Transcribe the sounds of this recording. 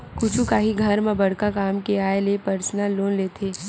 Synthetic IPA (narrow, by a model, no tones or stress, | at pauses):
kʊt͡ʃʰukaːɦiɡʱɐɾmẽbɐɽ̤kakaːmkeaːelepɐɾsnalːoːnleːt̪ʰeː